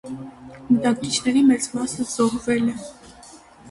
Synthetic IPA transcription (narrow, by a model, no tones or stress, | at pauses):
mət̪ɑkkit͡ʃʰnɛɾimɛt͡smɑsəz̥ɔhvɛlɛ